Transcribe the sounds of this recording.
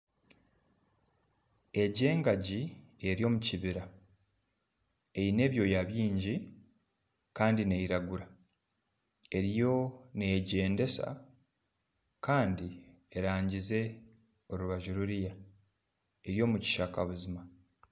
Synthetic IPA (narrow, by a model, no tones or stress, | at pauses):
e̞ɟe̞ːŋɡaɟi | e̞ɾjo̞ːmuciβiɾa | ejine̞ːβjo̞jaβjiːɲɟi | kaːndineiɾaɡuɾa | e̞ɾijo̞neːɟe̞ːnde̞sa̰ | kaːndi | eɾaːɲɟize̞ | o̞ɾuβaʒuɾuɾija | e̞ɾjo̞ːmuci̥ʃaka̰βuzima